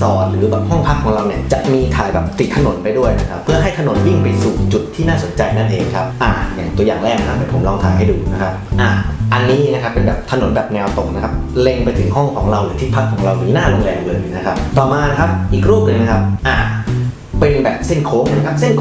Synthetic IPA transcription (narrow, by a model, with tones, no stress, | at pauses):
sɔː˨˩t̪̚ɾɯː˩˦bɛː˨˩p̚hɔ˥˩ŋpʰa˦˥kʰːɔː˩˦ŋɾa˧wni˥˩ɐt͡ɕa˨˩ʔmiː˧t̪ʰaː˨˩jbɛː˨˩p̚t̪i˨˩t̪ʰːa˧no˩˦npa˧jdu˥˩əjna˦˥kʰa˦˥pʰːɯ˥˩ɐɦa˥˩jt̪ʰa˧no˨˩˦nwi˥˩ŋpa˧jsuː˨˩t͡ɕu˨˩t̪ʰːiː˥˩naː˥˩so˩˦nt͡ɕa˧jna˥˩nʔeː˧ŋkʰa˦˥p̚ʔaː˨˩jaː˨˩ŋt̪u˧ɐjaː˨˩ŋɾɛː˥˩k̚na˦kʰa˦˥pa˥˩pʰo˩˦mlɔː˧ŋt̪ʰaː˧jɦa˥˩jduː˧na˦˥kʰa˦˥p̚ʔaː˨˩ʔa˧nːiː˦˥na˦kʰa˦˥pːe˧nbɛː˨˩p̚t̪ʰa˧no˩˦nbɛː˨˩p̚nɛː˧wt̪o˨˩k̚na˦˥kʰa˦˥p̚le˧ŋpa˧jt̪ʰɯ˩˦ŋɦɔ˥˩ŋkʰɔ̰ː˩˦ŋɾa˧wɾɯː˨˩˦t̪ʰiː˥˩pʰa˦˥kʰːɔː˩˦ŋɾa˧wniː˦˥naː˥˩lo˧ŋlɛː˧wlɤː˧jna˦˥kʰa˦˥p̚t̪ɔː˨˩maː˧na˦˥kʰa˦˥p̚ʔiː˨˩k̚ɾuː˥˩p̚nɯ˧ŋna˦˥kʰa˦˥p̚ʔaː˧˩ | pe˧nbɛ̰ː˨˩p̚se˥˩nkʰoː˦˥ŋʔa˧˩˨kʰa˦˥p̚se˥˩nkʰ